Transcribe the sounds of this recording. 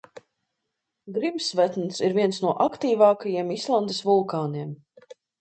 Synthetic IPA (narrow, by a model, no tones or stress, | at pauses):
ɡɾimsvæt̪nsiɾvʲiɛnsnuɔʔakt̪iːvɑːkajiɛmislˠand̪esvulˠkaːniɛm